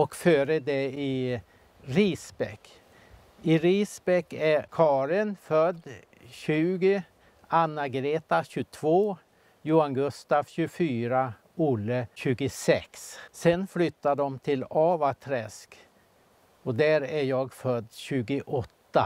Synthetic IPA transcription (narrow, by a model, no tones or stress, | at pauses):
ɔkfœːɾəd̪ɛɪ | ɾiːsbɛkː | ɪɾisbɛkːækʰɑːɾɪnfœd̪ː | ɕʉ̟ːɡə | anːaɡɾeːt̪aɕʉt̪ʰvoː | jʊanɡɵst̪avɕʉfyːɾa | ʊlːəɕʉ̟ːɡʊsɛkssɛnflʏt̪ːaɖɔmt̪ʰɪlɑvat̪ʰɾɛsk | ɔd̪æɾæjɑːɡfœd̪ːɕʉːɡəʔɔt̪ːa